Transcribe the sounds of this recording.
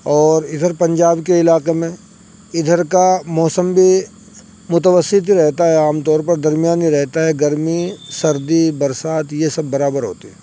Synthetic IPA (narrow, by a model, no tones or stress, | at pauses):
ɔːɾɪd̪ʱəɾpɐ̃ɲd͡ʒaːbkeɪlaːqemẽ | ɪd̪ʱəɾkamɔːsəmbʱi | mʊt̪əʋəsɪt̪ɾɛɦt̪aɦɛaːmt̪ɔːɾpɐɾd̪ɐɾmijaːniɾɛɦt̪aɦɛɡɐɾmisɐɾd̪ibɐɾsaːt̪jesɐbːɐɾaːbəɾɦo̰ːt̪iɦɛː